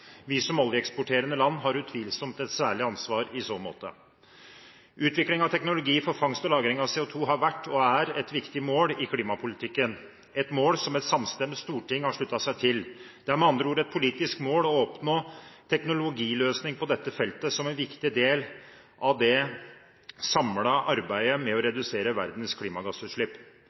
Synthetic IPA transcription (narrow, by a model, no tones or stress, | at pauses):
ʋɪsɔmɔljəɛkspʊʈʰeːɾənəlɑnːɦɑɾʉt̪ʰʋiːlsɔmt̪ɛt̪sæːɭɪɑnsʋɑːɾɪsoːmo̰ːt̪ə̰ | ʔʉːt̪ʰʋɪklɪŋɑʋt̪ʰɛknʊlʊɡiːfɔɾfɑŋst̪ɔlɑːɡɾɪŋɑʋseːʊt̪ʰuːɦɑɾʋæʈːɔæɾɛt̪ʋɪkt̪ɪmoːlɪkʰliːmɑpʰʊlɪt̪ʰɪkːən | ɛt̪moːlsɔmɛt̪sɑmst̪ɛməst̪uːʈʰɪŋːhɑʂɭʉt̪ːɑsæɪt̪ʰɪld̪ɛæɾmɛɑnd̪ɾəuːɾɛt̪̚pʰʊliːt̪ɪskmoːlɔɔpnoːt̪ʰɛknʊlʊɡiːløːsnɪŋpʰɔd̪ɛt̪ːəfɛlt̪əsɔmɛnʋɪkt̪ɪd̪eːl | ʔɑʋd̪ɛ | sɑmlɑʔɑɾbæɪəmɛɔɾɛd̪ʉseːɾəʋæɾd̪nskʰliːmɑɡɑsʉːt̪ʂɭɪpː